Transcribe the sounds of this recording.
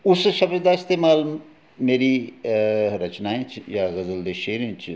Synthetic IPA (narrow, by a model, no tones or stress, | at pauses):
ʊsʃɐbɾd̪aːɪst̪eːmaːl | meːɾi | ɾɐt͡ʃnaːẽt͡ʃʰjaɣɐzəld̪eʃeːɾẽt͡ʃʰ